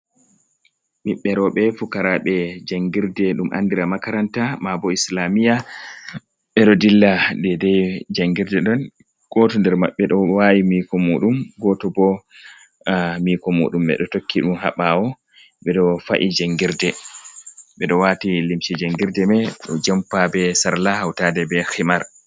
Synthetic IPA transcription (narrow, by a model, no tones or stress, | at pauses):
ɓiɓːɛɾɔɓɛfukaɾaɓɛd͡ʒaŋɡiɾdɛɗumʔa̰ndiɾamakaɾantamabɔislamija | ɓɛɗɔdilːadɛdɛjd͡ʒaŋɡiɾdɛɗɔn | ɡ̥ɔtɔndɛɾmaɓːɛɗɔwajimiːkɔmuɗumɡɔtɔbɔ | miːkɔmṵːɗumɓɛ̰ɗɔtokʰːiɗumha̰ɓawɔ | ɓɛɗɔfa̰ʔid͡ʒaŋɡiɾdɛ | ɓɛɗɔwatilimt͡ʃid͡ʒaŋɡiɾdɛmɛɗɔd͡ʒɛmpabɛsaɾlahawtadɛbɛximaɾ